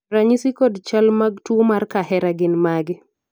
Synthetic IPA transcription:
ɾaɲisikɔdt͡ʃalmaɡtwomarkaɦɛɾaɡɪnmaɡɪ

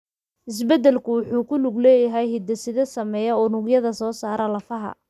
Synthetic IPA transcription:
ʔɪs̬bɛd̪ɛlkʰʊwʊħuːkʰʊlʊɡlɛːjɐɦɛjhɪd̪ɐsɪðɐsɐmɛjɐɔːnʊɡjɐðɐsɔːsaːɾɐlɐfɐɦɐ̰

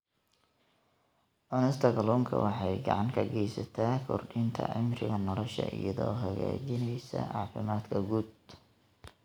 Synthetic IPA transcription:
ʔɔnɛst̪ʰɐɡɐlɔːŋkʰɐ̰wʔɑħɑjɡɑʕɑŋkʰɐɡɛjsɐt̪ʰaːkʰɔrɖɪnt̪ʰɐʕɪmrɪɣɐnɔlɔʃɐ̰ʔɪjɐðɔːɦɐɣa̰ːt͡ʃɪnɛjsɐʕɑ̰ːfɪmaːd̪kʰɐɡud̪

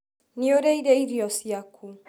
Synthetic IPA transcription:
nioɾɛidɛiɾiɔsiakʰu

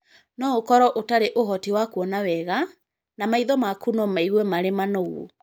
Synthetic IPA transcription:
nɔokɔɾɔʔotaɾeʔoɦɔtiwakwɔnawɛɣa | namaiðɔmakunɔmaiɣwemaɾemanɔɣo̰

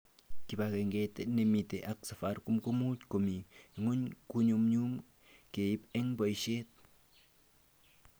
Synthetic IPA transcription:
kipakeŋɡet̪enemit̪eʔaksafaɾkumkumutkomiŋuɲkuɲumɲum | keipeŋbajʃet̪̚

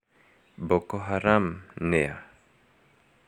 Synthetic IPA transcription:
bɔkoɦaɾamnea

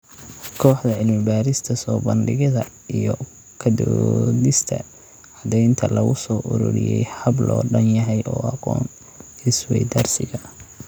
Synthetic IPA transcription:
kʰɔːħd̪ɐʕɪlmɪbaːɾɪst̪ʰɐsɔːbɐnɖɪɣɐðɐ | ijɔ | kʰɐd̪ɔ̰dɪst̪ʰɐ̰ | ɑd̪ɛjnt̪ʰɐlɐɣʊsɔːʔʊɾʊ̰ɾɪ̰jɛjhɐblɔːɖɐnjɐɦɛjʔɔːɑqɔ̰ːn | ɪswɛ̰jd̪ɐrsɪɣɐ

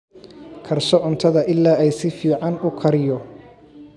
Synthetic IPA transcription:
kʰɐrsɔʔʊnt̪ʰɐðɐʔɪlːaːɛjsɪfiːʕɑnʊkʰɐɾɪjɔ

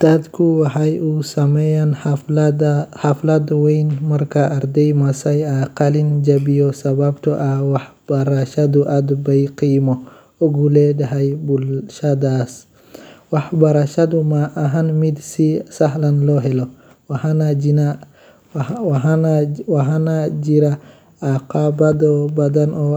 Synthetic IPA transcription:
t̪ʰɐd̪kʰʊwɑħɑjusɐmɛjan | ħɑflɐd̪wɛjnmɐrkʰɐʔːrd̪ɛjmɐsɐjaqɑlɪnd͡ʒɐbɪjɔsɐβabt̪ʰɔʔɐwɑħb̥ɐɾɐʃɐd̪uʔad̪bɐjqiːmɔ | ɔɡulɛɖɐɦɛjbʊlʃɐd̪aːs | wɑħbɐɾɐʃɐd̪ʊmaʔːɦɐnmɪd̪sisɐɦlɐnlɔɦɛlɔ | nn | wɑɦanad͡ʒɪɾa | aqɑbɐd̪ɔbɐd̪ɐnɔː

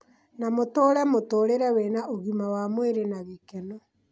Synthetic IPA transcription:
namotoːɾɛmotoːɾeɾɛwenaʔoɣimawamweɾenaβikɛnɔ

